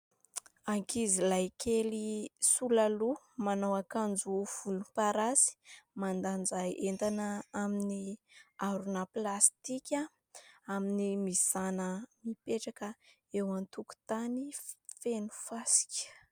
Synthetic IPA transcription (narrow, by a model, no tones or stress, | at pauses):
aŋkizilajkʰelisulalu | manowakand͡zuv̥ulupaɾasi̥mand̪and͡zajʔent̪anəaminiaɾunəplast̪ikʲa | aminimisanəmipeʈ͡ʂakə | ewant̪uku̥t̪anifenu̥fasi̥kʲə̥